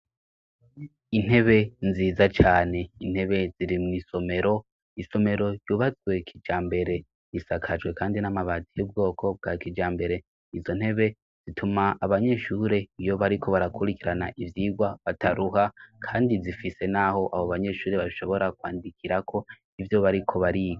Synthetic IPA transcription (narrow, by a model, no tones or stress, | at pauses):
in̥he̞βe̞nziːzat͡ʃaːne̞in̥he̞βe̞ziɾimiːso̞me̞ɾo̞ | iso̞me̞ɾo̞juːβazɡwe̞kʰid͡ʒaːmbe̞ɾe̞ | jisakʰad͡ʒwe̞kaːndinamaβatijub̚ɡo̞ːkʰo̞b̚ɡakid͡ʒaːmbe̞ɾe̞ | izo̞n̥he̞βe̞ | z̥itʰumaʔːβaɲe̞ʃuːɾe̞ijo̞βaɾikʰo̞βaɾakʰuɾikiɾana̰ʔivjiːɡwaβatʰaɾuhakʰaːndizifise̞naho̞ʔaβoβaɲe̞ʃuːɾe̞βaiʃo̞βo̞ɾakwa̰ːndikʰiɾakʰo̞ | ivjo̞βaɾikʰo̞βaɾiɡo